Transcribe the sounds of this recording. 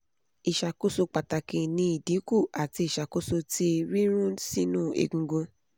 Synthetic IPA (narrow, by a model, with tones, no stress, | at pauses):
i˨ʃa˧ko˦so˧k͡pa˨ta˨kĩ˧nĩ˧˦i˦˨dĩ˨˦ku˦˨a˨ti˧i˨ʃa˨ko˦so˧ti˦˧ɾi˦ɾ̃ũ˦si˦nũː˦˨ḛ˨ɡũ˧ɡõ˧